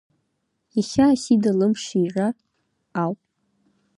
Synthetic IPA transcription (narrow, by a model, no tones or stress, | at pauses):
iχʲaːsidalɨmʂira | awpʼ